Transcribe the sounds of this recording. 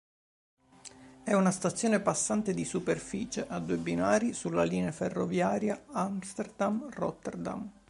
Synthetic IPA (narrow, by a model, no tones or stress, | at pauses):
ɛunast̪at̪sːjoːnepasːant̪ed̪isuperfiːt͡ʃeʔad̪ːuːebinaːɾisulːaliːneaferːovjaːɾjaamst̪erd̪amrɔ̰t̪ːɛrd̪a̰m